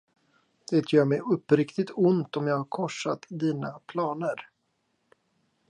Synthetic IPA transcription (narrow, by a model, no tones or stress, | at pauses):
d̪̥ɛːt̪ʰjœːɾmɛjɵpːɾɪkt̪ɪt̪ʊnt̪ɔmjɑːɡhaɾkʰɔʂːat̪d̪iːnapʰlɑːnəɾ